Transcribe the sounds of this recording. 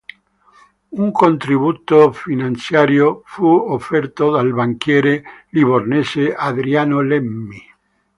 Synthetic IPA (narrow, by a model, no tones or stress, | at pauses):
uŋkont̪ɾiβut̪ofinãnt̪sjaɾjofuofɛɾt̪od̪albaŋkjɛɾeliβorneseaðɾianolemːi